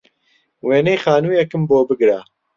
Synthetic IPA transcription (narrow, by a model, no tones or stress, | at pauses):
weːnejxaːnuːjɛkɨmboːbɨɡɾa